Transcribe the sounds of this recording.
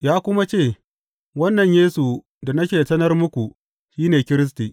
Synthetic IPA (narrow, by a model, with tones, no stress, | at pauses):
jaː˦kʷʊ˦ma˦t͡ʃeː˦˨ | wɐ˦nːɐ˨ɲjeː˦su˨ | da˨nɐ˦kʲeː˨sɐ˦nɐ˦rmʊ˦kʷu˨ | ʃiː˦neː˨kʲɪ˦ɾɪ˦s̬ti˨ʔ